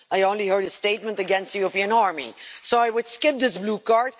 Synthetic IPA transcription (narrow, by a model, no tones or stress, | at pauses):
aɪõʊ̃nlihɜ˞ɾɨsteɪt̚mə̃ntɨɡɛ̃nst̪ɨjɔɹəpiɨ̃nɑɹmḭsoʊaɪwɨd̥skɪp̚ðɪsblukɑɹt̚